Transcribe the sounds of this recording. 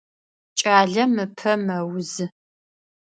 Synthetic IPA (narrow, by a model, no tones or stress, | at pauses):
t͡ʃʼaːɮɐmɨpʰɐmɐwzɨ